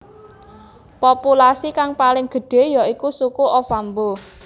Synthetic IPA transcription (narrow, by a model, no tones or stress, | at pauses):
populasikaŋpalɪŋɡ̥ə̤ɖ̥e̤jɔikusukuʔɔfambo